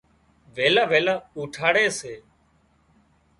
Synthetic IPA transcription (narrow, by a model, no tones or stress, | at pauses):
ʋeːlaːʋeːlaːuːʈʰaːɽeːseː